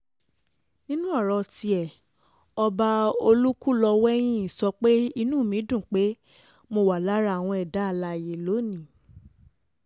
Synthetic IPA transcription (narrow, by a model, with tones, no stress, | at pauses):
nĩ˦nũ˦ɔ˦˨ɾɔ˧ti˧ɛ˨ | ɔ˧ba˧o˧lu˦ku˦lɔ˧wɛ˦j̃ĩ˦i˨sɔ˧k͡pe˦i˧nũː˦˨mĩ˨˦dũ˦˨k͡pe˦ | mo˧wa˨la˦ɾa˧˨w̃ɔ̃˧ɛ˨da˨˦˧la˧˨je˨lo˨˦nĩ˨